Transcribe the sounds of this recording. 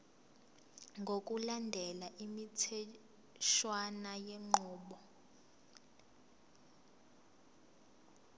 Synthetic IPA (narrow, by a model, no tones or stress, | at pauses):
ŋɡʱokʼulandʱɛlaʔimitʰɛ | ʃwanajɛŋ͡ǃɔːɓɔ